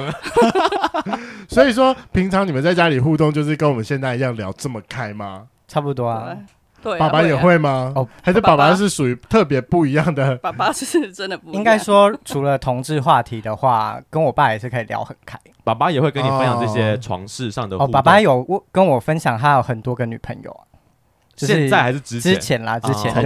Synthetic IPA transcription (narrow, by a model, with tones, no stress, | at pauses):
swɔ˧˦˥i˨˩ʂ̬wɔ˦pʰi˧˥ŋt͡sʰɑ˧˦ŋi˨˩ə˨˦nt͡sa˥˩ɪt͡ɕja˦˥li˨˩xu˥˧t̪o˥˧ŋt͡ɕjo˥˧ʊʂ̬ɻ̩˥˩kə˥nwɔ˨mə˨˦nɕjɛ˥˧nt͡sa˥˩ɪi˨˧jɑ˥˩ŋljɑ̰˧˥ʊʈ͡ʂə˥˩mə˩kʰa˥ɪma˨ | ʈ͡ʂʰa˥˩pu˧˩t̪wɔ˥˨˥ | pa˨˩˨pa˦jɛ˨˩xwe˥˩ɪma˧ɔ˧˩a˧˥ɪʂə˥˩pa˨˩pa˦ʂ̬ɻ̩˥˩ʂu˨˩y˨˧˦t̪ʰɤ˥˨˩p̬jɛ˧˥pu˥˩i˧˥jɑ˥˩ŋd̪ə˨˩a˨˩a˦˥˩ʈ͡ʂə˦nd̪ə˨˩pu˧i˦˥ŋka˥ɪʂwɔ˥ʈ͡ʂʰu˧˥lə˧t̪ʰʊ˧ŋʈ͡ʂɻ̩˥˧xwa˥˩t̪ʰi˨˧˥d̪ə˨xwa̰˥˩kə˦nwɔ˨˩pa˥˩jɛ˨˩ʂɻ̩˥˩kʰə˧i˨˩ljɑ̰˧˥ʊxə˨˩nkʰa˥ɪpa˨˩pa˦˥jɛ˨˩xwe˥˩ɪkə˦n˨fnjɑ˨ʈ͡ʂɤ˥˩ɕjɛ˦ʈ͡ʂʰwɑ̰˧˦ŋʂɻ̩˥˧ʂɑ˥˨ŋd̪ə˨ɔ˨˩pa˨˩pa˦jo˨˩ʊ˥˩kə˦nwɔ˨˩fə˦nɕjɑ˨˩ŋt̪a˥jo˨˩ʊxə˨˩nt̪wɔ˥ɡə˧˦ny˨˩pʰə̰˧˦ŋjo̰˨˩ʊ˩ | t͡ɕo˥˧jɛ˧ʂɻn˥˩t͡sa˥ɪa˧ɪʂɻ̩˥˩ʈ͡ʂɻ̩˥ʈ͡ʂɻ̩˥t͡ɕʰjɛ˨˦nlɐ˧˨ʈ͡ʂ̩˥t͡ɕʰɛ˨˧˦n